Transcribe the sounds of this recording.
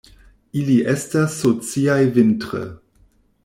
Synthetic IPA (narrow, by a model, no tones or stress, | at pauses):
iliʔɛstasːot͡siajvɪntʁə̰